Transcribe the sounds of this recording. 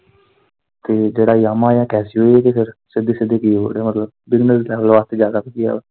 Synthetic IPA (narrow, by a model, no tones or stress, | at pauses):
t̪eːd͡ʒeːɽaːjaːmaːjãːkɛːsiːɦoiek̪epʰɪɾsɪd̪eːsɪd̪eːkiːɦo̰ɽeːmət̪ləbbɪznəslɛːʋəlʋaːst̪eːd͡ʒaːd̪aːpikia̰ː